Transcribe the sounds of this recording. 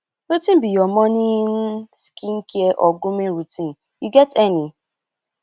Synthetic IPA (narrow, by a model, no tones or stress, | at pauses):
ɾutĩn̩bijɔmɔnin̩skiŋ̩kieʔɔɡʊmiɾutĩn̩ | juɡɛtɛni